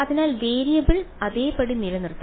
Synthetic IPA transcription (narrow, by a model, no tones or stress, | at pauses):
ɐðinaːlʋeːɾijɐbiɭɐðeːpɐɽinilɐnirt̪ːɐ